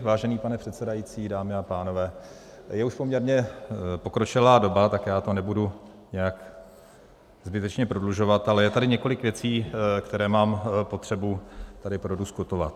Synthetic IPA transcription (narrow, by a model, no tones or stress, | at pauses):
vaːʒɛniːpanɛpr̝̥ɛt̪sɛdajit͡siːdaːmɪapaːno̞vɛː | jɛuʃpo̞mɲɛɾɲɛpo̞kɾo̞t͡ʃɪlaːdo̞bat̪akjaːt̪o̞nɛbudu | ɲɛjak | zbɪt̪ɛt͡ʃɲɛpɾodluʒo̞vat̪alɛjɛt̪adɪɲɛko̞lɪkvjɛt͡siːkt̪ɛɾɛːmaːmpo̞t̪r̝̥ɛbut̪adɪpɾoduskut̪ova̰t̪̚